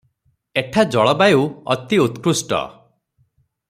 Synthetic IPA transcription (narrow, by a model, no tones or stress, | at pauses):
eʈʰad͡ʒɔɭɔbajuɔ̰t̪iut̪kɾusʈɔ̰